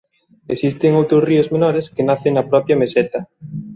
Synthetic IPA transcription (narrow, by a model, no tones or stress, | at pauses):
esist̪eŋowt̪ɾosriozmenɔɾeskenaθeŋnɐpɾɔpɾjɐmesɛt̪ɐ